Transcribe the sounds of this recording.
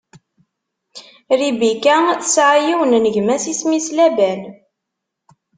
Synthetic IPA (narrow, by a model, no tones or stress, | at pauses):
ɾibikæθsʕajiwənnəʝmæsismislæbæn